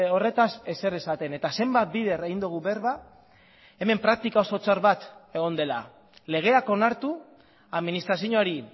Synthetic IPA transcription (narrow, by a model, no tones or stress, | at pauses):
o̞re̞t̪ase̞se̞resat̪e̞ne̞t̪ase̞mbat̪̚biðe̞ɾeɣind̪uɣ̞uβe̞ɾβa | e̞me̞mpɾak̚t̪ikao̞so̞t͡saɾβat̪e̞ɣ̞o̞nd̪e̞la̰ | le̞ɣ̞e̞ako̞naɾt̪u | aðminist̪ɾasiɲoaɾi